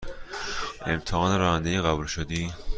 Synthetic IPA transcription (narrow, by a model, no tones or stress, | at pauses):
ʔe̞mt̪ʰehɒːneɾɒːhænd̪ejeɣæbuːlʃod̪iː